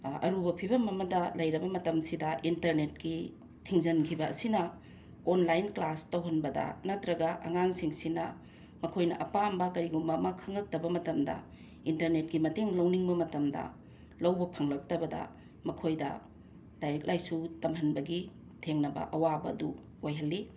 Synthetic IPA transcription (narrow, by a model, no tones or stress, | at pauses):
ɐ̰ɾubɐpʰibɐmɐmɐdɐlɐjɾɐbɐmɐtɐmsidɐʔintɐɾnet̚ki | tʰiŋzɐnkʰibɐɐ̰sinɐ | onlajnklastɐwɦɐnbɐdɐ̰nɐtɾɐɡɐʔɐ̰ŋaŋsiŋsinɐ | mɐkʰojnɐ̰ʔɐpambɐkɐɾiɡumbɐːmɐkʰɐŋlɐk̚tɐbɐmɐtɐmdɐ̰ | intɐɾnet̚kimɐteŋlɐwniŋbɐmɐtɐmdɐ̰ | lɐwbɐpʰɐŋlɐk̚tɐbɐdɐ̰ | mɐkʰojdɐ̰ | lajɾik̚lʔajsutɐmhɐnbɐɡi | tʰeŋnɐbɐ̰ʔɐwabɐːdu | ojɦɐlːi